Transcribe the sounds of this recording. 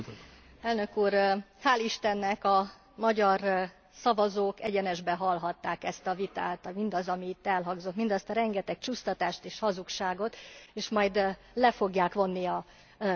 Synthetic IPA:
ɛlnø̞kuːrhaːliʃt̪ɛnːɛkɒ | mɒɟɒr | sɒvɒzoːkɛɟɛnɛʒbɛɦɒlɦɒt̪ːaːkɛst̪ɒvit̪aːt̪ɒmind̪ɒzɒmiːt̪ːɛlɦɒɡzo̞t̪mind̪ɒst̪ɒɾɛŋɡɛt̪ɛk̚t͡ʃust̪ɒt̪aːʃt̪eːʃhɒzukʃaːɡo̞t̪eːʃmɒjd̪ | lɛfo̞ɡjaːkʋo̞nːiɒ

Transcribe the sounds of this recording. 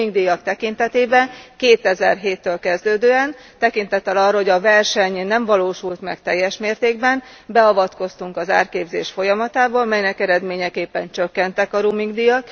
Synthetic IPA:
iŋɡd̪ijɒkt̪ɛkint̪ɛt̪eːbɛnkeːt̪ɛzɛ̰rɦeːt̪ːøːlkɛzd̪øːd̪øːɛn | t̪ɛkint̪ɛt̪ːɛlɒrːɒɦoɟɒvɛrʃɛɲnɛɱvɒloːʃult̪mɛ̰kt̪ɛjːɛʃmeːrt̪eːɡbɛn | bɛɒvɒt̪ko̞st̪uŋkɒza̰ːrkeːbzeːʃfo̞jɒmɒt̪aːbɒlmɛjnɛkɛɾɛd̪meːɲɛkeːpːɛnt͡ʃøkːɛnt̪ɛkɒɾumiŋɡd̪ijɒk

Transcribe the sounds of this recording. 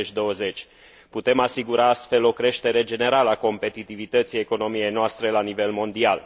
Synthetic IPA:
et͡ʃʲd̪o̞wəze̞t͡ʃʲ | put̪e̞masiɡuɾaast̪fe̞lo̞kɾe̞ʃt̪e̞ɾe̞d͡ʒe̞ne̞ɾaləako̞mpe̞t̪it̪ivit̪ət̪sijeko̞no̞mije̞jnoast̪ɾe̞lanive̞lmo̞nd̪ial

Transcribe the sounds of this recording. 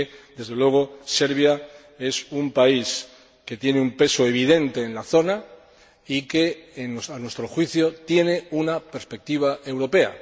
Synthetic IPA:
d̪e̞zð̞e̞lwe̞ɣ̞o̞se̞ɾβ̞ja | e̞sumpais | ke̞t̪je̞neumpe̞so̞e̞βiðe̞nt̪e̞ːnlaθo̞na | ike̞ːnsanwe̞st̪ɾo̞xwiθjo̞t̪je̞ne̞unape̞ɾspe̞k̚t̪iβ̞aʔe̞wɾo̞pe̞a̰

